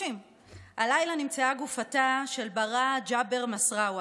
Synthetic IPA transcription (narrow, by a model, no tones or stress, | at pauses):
im | alajlanimt͡seaɡufataʃe̞lbaʁad͡ʒabe̞ʁmasʁawa